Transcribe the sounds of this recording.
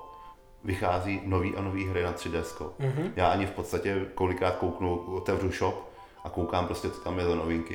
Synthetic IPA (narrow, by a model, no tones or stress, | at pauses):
vɪxaːziːno̞viːʔanoviːɦɾɪnat̪r̥ɪdɛskoɦjaːʔaɲɪfpot̪st̪acɛko̞lɪkɾaːt̪̚kowknuot̪ɛvruʃop | ʔakowkaːmpɾo̞scɛt͡so̥t̪amjɛzano̞vɪŋkɪ